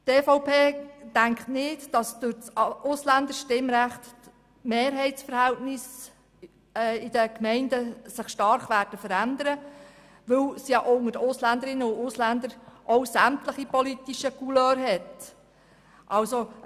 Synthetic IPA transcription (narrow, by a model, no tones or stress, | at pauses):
tefoʊpʰeːtæŋkχtnɪtd̥ɑsd̥ʊɾt͡sʊslænd̪əʃtɪmɾæχt | meːɾɦɛɪsfəɾhæltnɪs | ɛɪd̥əkmɛɪndəsɪχʃtɑɾχʋæːɾd̥əfəɾænd̪əɾə | ʋɵlsjɑʔʊŋəɾʊslænd̪əɾɪnəʊʊslænd̪əɾʔɔwsæmtləχipɔlit̪ːiʃəkuløːɾɦɛt | ʔɑlso